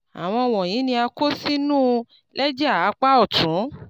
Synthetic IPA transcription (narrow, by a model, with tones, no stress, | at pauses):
a̰˨w̃ɔ̃˧w̃ɔ̃˨j̃ĩ˨˦nĩ˧a˧ko˦si˦nũː˦ | lɛ˦d͡ʒɛ˦a˦˨˦k͡pa˦ɔ˦˨tũ˨˦